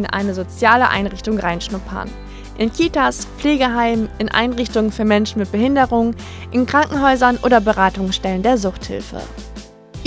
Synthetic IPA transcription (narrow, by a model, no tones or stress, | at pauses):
nʔa̰ɪnəzot͡sjaːləʔa̰ɪnʁɪçtʊŋʁaɪnʃnʊpʰɐ̰n | ʔɪnkʰiːtasp͡fleːɡəɦaɪmʔɪnʔa̰ɪnʁɪçtʊŋənfyːɐmɛnʃn̩mɪt̚b̥əɦɪndəʁʊŋ | ʔɪnkʁ̥aŋkŋ̩ɦɔʏzɐnʔo̰ːdɐbəʁaːtʊŋsʃtɛləndeːɐzʊχthɪ̰lfə̰